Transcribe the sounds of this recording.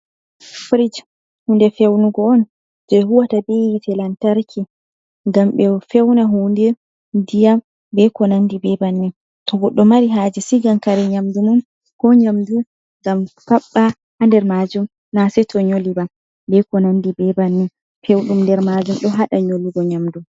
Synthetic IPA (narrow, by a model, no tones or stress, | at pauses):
fɾid͡ʒ | hundɛfewnuɡɔːn | d͡ʒɛɦuwatabejitɛlantaɾkʰi | ŋɡamɓɛfewnaɦundɛ | dijam | bɛkɔnandibɛbanːi | tɔɡɔɗːɔmaɾiɦad͡ʒɛsiɡamkaɾɛɲamdumun | kɔɲamdu | ŋɡampaɓːa | handɛɾmad͡ʒum | nasɛtʰɔɲolibam | bɛkɔnandibɛbanːin | fewɗumndɛɾmad͡ʒumɗɔɦaɗaɲoliɡɔɲamdum